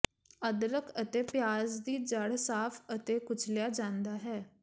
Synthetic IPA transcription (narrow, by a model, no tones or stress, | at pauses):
əd̪ɾəkʰət̪eːpjaːzd̪iːd͡ʒəɽsaːpʰət̪eːkʊt͡ʃʰljaːd͡ʒãːnd̪aːɦɛː